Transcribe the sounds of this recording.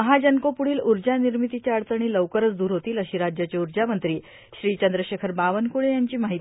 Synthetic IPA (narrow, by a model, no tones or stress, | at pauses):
əɦad͡ʑənkopuɽiːluɾd͡ʑaniɾmit̪it͡ɕjaəɽt͡səɽ̃iːləʋkəɾət͡sd̪uːɾɦot̪iːləɕiːɾad͡ʑjat͡ɕeuɾd͡ʑamənt̪ɾiː | ɕɾiːt͡ɕənd̪ɾəɕekʰəɾbaʋənkuɽejaɲt͡ɕiːmaɦit̪